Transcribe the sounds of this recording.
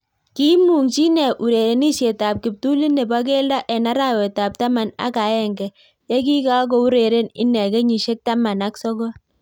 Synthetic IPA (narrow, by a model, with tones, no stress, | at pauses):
ki˦mu˨ŋt͡ʃi˦nɛ˨ʔu˨ɾe˨ɾe˨ni˦ʃe˨ta˨p̚kɪ˨p̚tu˦li˦ne˨ba˦k̬e˦lda˦ʔɛ˨na˦ɾa˦wɛ˨ta˨p̚ta˦ma˨na̰˦ka˨˦ɛ˦˨ŋɡɛ˨ | jɛ˦k̬i˦ka˦k̬o˨u˦ɾe˨ɾe˦nɪ̰˦nɛ˨ke˦ɲi˨ʃe˦k̚ta˦ma˨na˦ksɔ˦kɔ˦